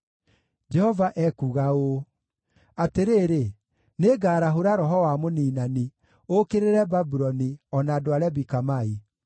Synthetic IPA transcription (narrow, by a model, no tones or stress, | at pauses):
d͡ʒɛhɔvaʔɛkuɣao | ateɾeːɾe | neɡaːɾaɦoɾaɾɔɦɔwamoniːnani | okeɾeɾɛbabuɾɔniɔnaːdoaɾɛbikamai